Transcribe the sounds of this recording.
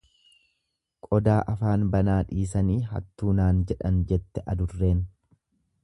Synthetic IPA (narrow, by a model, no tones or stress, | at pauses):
kʼɔd̪aːʔɐfaːnbɐnaːᶑiːs̬ɐniːɦɐ̰t̪ːuːnaːnd͡ʒɛᶑɐnd͡ʒɛt̪ːɛʔɐd̪ʊrːe̞ːn